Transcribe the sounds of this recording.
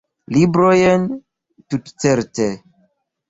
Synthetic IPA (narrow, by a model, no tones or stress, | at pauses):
libɾojen | tutt͡seɾte